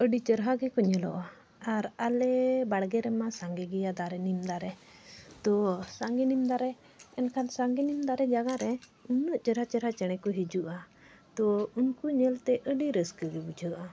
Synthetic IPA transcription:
əɖit͡ʃəɾɦaɡɛkɔɲɛlɔ̰ʔa | aɾalɛbaɽɡɛɾɛmasaŋɡɛɡɛjad̪aɾɛnimd̪aɾɛt̪ɔsaŋɡɛnimd̪aɾɛ | ɛnkʰansaŋɡɛnimd̪aɾɛd͡ʒaɡaɾɛ | unəʔt͡ʃəɾɦat͡ʃəɾɦat͡ʃɛɽ̃ɛkɔɦid͡ʒuʔa | t̪ɔunkuɲɛlt̪ɛʔəɖiɾəskəɡɛbud͡ʒʱəʔa

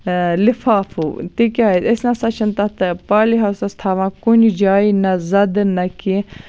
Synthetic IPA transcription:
lɪfaːfṵːt̪ikʲaːiesnãsɐt͡ʃʰɐnt̪ɐt̪paːliɦɐwsɐst̪ʰaːʋãːkunid͡ʒaːinɐzɐd̪nɐki

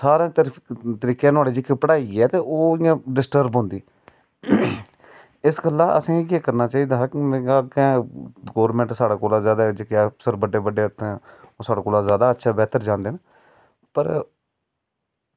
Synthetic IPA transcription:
saːɾẽːt̪əɾiːkẽːnaːleːd͡ʒikʰepəɽaːiɛːt̪eːʔoːɪjãːɖɪsʈəɾbɦʊ̃nd̪iː | ɪsɡəlːãːʔə̰sĩːeːkəɾnaːt͡ʃaːiːd̪aːɦkɪmẽːɡakɛ̃ːɡoːɾmɛ̃ːɳʈsaːɽaːkoːlaːzjaːd̪aːd͡ʒekaːsəɾbəɖːeːbəɖeːt̪ẽːoːsaːɽaːkoːlaːzjaːd̪aːətːʃʰaːbɛːt̪əɾd͡ʒãːnd̪eːna | pəɾ

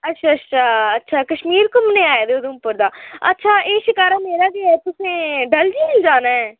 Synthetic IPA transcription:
ətːʃʰaːətːʃʰaːətːʃʰaːkəʃmiːɾkʊmneːaːjed̪eod̪õʊpːəɾd̪aːə̰tːʃʰaːʔeːʃɪkaːɾaːmeːɾaːɡiːɛːt̪ʊsẽːɖəld͡ʒiːɪld͡ʒaːnaːɦɛː

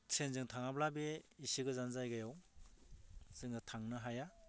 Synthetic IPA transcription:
sʰenzɯŋtʰaŋablabeisiɡɯzanzajɡajaw | z̥ɯŋnɯtʰaŋnɯɦaja

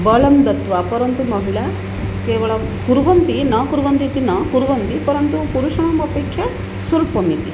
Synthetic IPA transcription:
bɐɭɐmd̪ɐt̪ʋaːpɐɾɐnt̪umɐɦiɭɐ | keːʋɐɭɐkuɾʋɐnt̪inɐkuɾʋɐnt̪it̪inɐkuɾʋɐnt̪ipɐɾɐnt̪upuɾuʃɐɳɐmɐpeːkʰjɐ | sulpɐmit̪i

